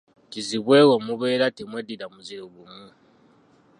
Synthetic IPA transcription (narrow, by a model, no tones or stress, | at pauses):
tiziβweːwomuβeːɾatimwediɾamuzeβumu